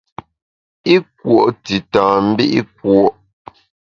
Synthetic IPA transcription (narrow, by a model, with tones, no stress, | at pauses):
i˦k̚wo˨ʔti˨tãː˨m̩˦bḭ˦ʔi˦k̚wɔ˨ʔ